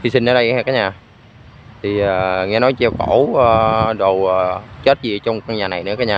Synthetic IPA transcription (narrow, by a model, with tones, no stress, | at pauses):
xi˧˩si˧n̟ʔəː˨˦ɗə˧jŋɛ˧˩kaː˨˦ɲaː˨˩ | t̪ʰi˨˩əː˨˩ŋɛ˧˩nɔ˨˦jt͡ɕɛ˧wko˧˩˦ə˨˩ɗo˨˩wəː˨˩t͡ɕə˦˥t̚zi˨˩t͡ɕɔ˧wŋ͡mka˧ɲaː˨˩na˨˩jnɨ̰˧˥əkaː˨˦ɲaː˨˩